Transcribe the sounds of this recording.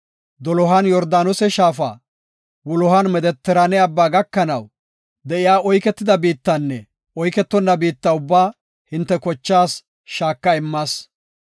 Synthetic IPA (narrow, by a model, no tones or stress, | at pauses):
d̪ɔlɔɦɐnjɔɾd̪aːnɔsɛʃaːfa̰ː | wʊlɔhɐnmɛd̪ɛt̪ːɛɾɐnɛɐbːaːɡɐkːɐnɐw | d̪ɛʔɪjaːɔjkɛt̪ːɪd̪ɐbiːt̪ːɐnːɛ | ɔjkɛt̪ːɔnːɐbiːt̪ːɐʊbːaː | hɪnt̪ːɛkɔt͡ʃːaːs | ʃaːkːɐɪmːaːs